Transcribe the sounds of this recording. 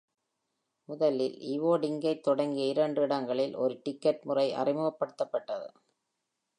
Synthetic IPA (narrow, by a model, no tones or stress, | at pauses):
ʊðɐlɪlɪʋoːɽɪŋɡɐɪt̪ːɔɽɐŋɡiɪɾɐɳɖɯɪɽɐŋɡɐɭɪlɔ̰ɾɯʈɪkːɐʈmʊrɐɪʔɐ̰rɪmɯɣɐpːɐɽɯt̪ːɐpːɐʈːɐðɯ̰